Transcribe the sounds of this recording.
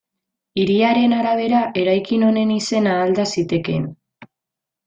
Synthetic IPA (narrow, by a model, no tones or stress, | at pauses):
iɾiaɾe̞naɾaβ̞e̞ɾaʔe̞ɾajkino̞ne̞nise̞naːld̪asit̪e̞ke̞̰n